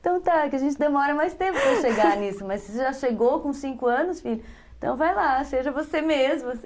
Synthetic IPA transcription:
t̪ɐ̃w̃t̪akɪɐʒẽnt͡ʃɪd̪emɔɾɐmajst̪ẽmpʊpɐ̃ʃʃeɡaɾnisʊmɐsɪʒaʃeɡowkõsĩŋkʊɐ̃nʊsfiʎʊẽt̪ɐ̰̃w̃vajlaseʒɐvosemezmʊs

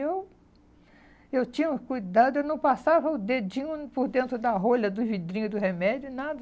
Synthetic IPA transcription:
ew | ewt͡ʃĩɲɐũkujd̪ad̪ʊewnɐ̃w̃pasavɐʊd̪ed͡ʒĩɲʊpoɾd̪ẽnt̪ɾʊd̪ɐɦoʎɐd̪ʊvid̪ɾĩɲʊd̪ʊhemɛd͡ʒʊnad̪ɐ

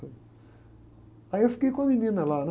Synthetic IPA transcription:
ajefkekomininalan

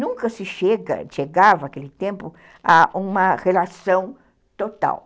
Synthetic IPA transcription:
nũŋkɐsɪʃeɡɐ̰ʃeɡavɐːkelɪt̪ẽmpʊ | aʔũmɐʁelasɐ̃w̃ | t̪ot̪a̰w

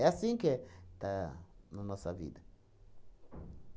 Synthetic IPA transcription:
ɛasĩket̪anɐnɔsɐvḭd̪ɐ

